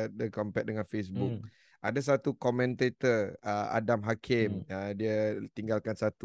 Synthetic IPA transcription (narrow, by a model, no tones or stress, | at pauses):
dəkɔmpɛt̚dəŋãnfesbuk̚ | ʔadas̬at̪ukɔmɛ̃nt̪et̪əəa̰damɦakʰɪmədiət̪iŋɡalkansat̪u